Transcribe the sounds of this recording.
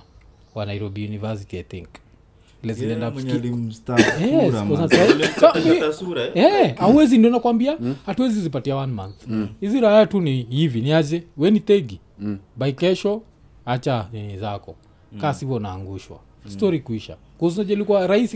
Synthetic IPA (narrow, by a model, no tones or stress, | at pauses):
wanajiɾɔbiunivas̬itiat̪ḭŋk | ilɛzinɛndap̩tajɛkɔzansaaka | ɛauwɛzindiɔnakuambiahatuwɛzizipatiawanmanθhiziɾaaatunihiviniad͡ʒɛwɛnitɛɡi | baikɛʃɔ | at͡ʃaninizakɔ̰ | kasivɔnaːŋɡuʃwa̰ | stɔɾikuiʃa̰ | kuuzinad͡ʒalikuwaɾaisi